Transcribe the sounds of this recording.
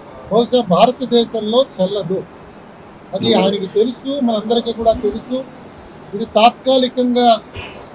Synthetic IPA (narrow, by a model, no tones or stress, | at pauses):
bɐwuʃɐbʱaːɾɐt̪ɐd̪ɛːʃɐmlo̞ːt̪ʰɛlːɐd̪u | ɐd̪iaːjɐnikit̪e̞lusumɐnɐmɐnd̪ɐɾikiːkuːɽaːt̪e̞lusu | id̪it̪aːt̪̚kaːlikɐŋɡaː